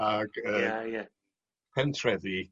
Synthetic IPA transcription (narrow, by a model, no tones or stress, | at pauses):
aɡ̥əːjɛ | pʰɛntʰrɛði